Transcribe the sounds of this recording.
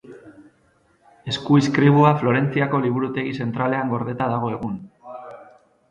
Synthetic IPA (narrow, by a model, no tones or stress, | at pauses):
e̞skuiskɾiβ̞uaflo̞ɾe̞nt͡siako̞liβ̞uɾut̪e̞ɣise̞nt̪ɾale̞aŋɡo̞ɾð̞e̞t̪aðaɣ̞o̞e̞ɣ̞un